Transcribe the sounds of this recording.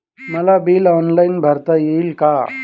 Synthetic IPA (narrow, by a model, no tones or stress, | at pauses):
məlabiːlɔːnlainbʱəɾt̪ajelka